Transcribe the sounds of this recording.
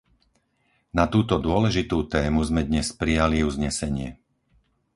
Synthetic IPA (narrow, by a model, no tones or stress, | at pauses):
nat̪uːt̪ɔd̪ʊɔlɛʒit̪uːt̪ɛːmuzmɛd̪ɲɛspɾijaliuzɲɛsɛɲɪɛ